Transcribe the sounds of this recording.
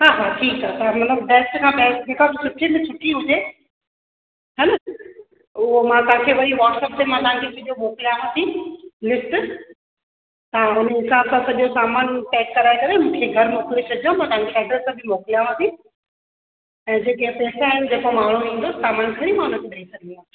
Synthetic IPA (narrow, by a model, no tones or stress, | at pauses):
ɦaːɦaːʈʰiːkaːsamɐt̪ləbbɛːsʈkʰãːpɛːkd͡ʑeːkʰãkosʰʊʈʰːint͡ɕʰʊʈʰːiɦʊd͡ʒeː | ɦɛnɐ | ʊomãt̪ɐɦãkʰeʋɐɾiʋɔːʈsəːp̚t̪emãt̪ɐɦãkʰebɪd͡ʒomoːkljaːʋãsĩlɪsʈ | t̪aʊnɪnsaːbsãsɐʄosaːmaːnpɛːkːɐɾaːekɐɾemũːkʰeɡʱɐɾmoːklet͡ɕʰɐd͡ʒijõmãːt̪ɐãŋkʰeʃaːɖəɾsãbʱɪmoːkljaːʋãsĩ | ɛ̃ːd͡ʑeːk̬epeːsaːɦɪnd͡ʑeːkomaːɳ̤̃oĩːnd̪osaːmaːnsɐɾĩmãʊn̤ə̃t̪ebɐisɐɾĩːd̪a